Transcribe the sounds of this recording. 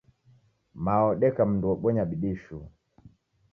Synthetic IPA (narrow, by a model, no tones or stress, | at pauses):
maɔɗɛkam̩nduɔɓɔɲaɓiɗiʃu